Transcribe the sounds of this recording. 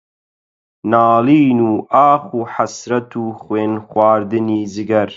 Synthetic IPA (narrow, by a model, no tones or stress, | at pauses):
naːliːnuːʔaːxuːħasɾɐt̪ʰuːxweːnxwaːɾd̪ɨniːzɨɡɐɾ